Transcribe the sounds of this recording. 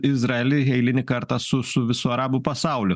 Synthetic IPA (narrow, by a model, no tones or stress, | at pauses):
ɪzɾɐɛlʲɪɛɪlʲɪnʲɪkɐɾt̪ɑsʊsʊʋʲɪsuɐɾɑːbupɐsɑˑʊlʲʊ